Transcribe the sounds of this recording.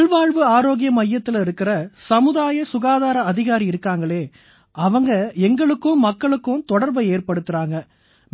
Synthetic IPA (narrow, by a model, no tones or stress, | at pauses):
ɭʋaːɻʋɯaːɾoːɣɪjɐmɐjːɐt̪ːɪlɪɾɯkːɪrɐsɐmɯðaːjɐsʊɣaːðaːɾɐɐðɪɣaːɾiɪɾɯkːaːŋɡɐɭeː | ʔɐʋɐŋɡɐɛŋɡɐɭɯkːɯmːɐkːɐɭɯkːɯmt̪ɔɽɐɾbɐeːrpɐɽɯt̪ːɪɾaːŋɡɐ | m